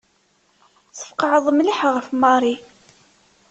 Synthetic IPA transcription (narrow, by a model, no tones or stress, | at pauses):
θə̥fqɑʕəðˤmliħʁəfmɑɾˤi